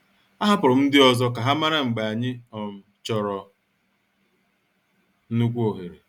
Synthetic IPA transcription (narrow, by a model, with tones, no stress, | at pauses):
a˦ɦa˦pʊ˨ɾɔ˨m̩˦dɪ˦ɔ˨zɔ˦ka˨ɦa˦ma˦ɾa˦ŋ͡m̩˨ɡ͡ba˨a˨ɲɪ˦ɔ˨m̩˨t͡ʃɔ˨ɾɔ˨ | nu˦kʷu˦o˨ɦe˨ɾe˨